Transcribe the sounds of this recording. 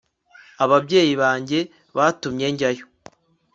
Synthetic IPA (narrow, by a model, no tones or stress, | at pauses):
aβabɟe̞ːjiβaːɲɟe̞ | βatumɲe̞ɲɟajo